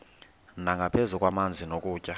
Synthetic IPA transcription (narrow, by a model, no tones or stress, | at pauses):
naŋɡʱapʰezukʼwamand͡zʱinokʼuːcʼa